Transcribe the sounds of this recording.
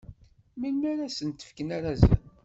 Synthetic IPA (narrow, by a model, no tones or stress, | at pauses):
milmæɾasənt̪ə̥fkənaɾazæ̰n